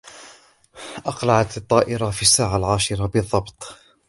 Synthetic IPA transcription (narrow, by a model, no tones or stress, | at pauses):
ʔɑqlaʕat̪ɑt̪ˤːɑːʔɪɾafiasːaːʕalʕaːʃɪɾabɨðˤːɑbt̪ˤ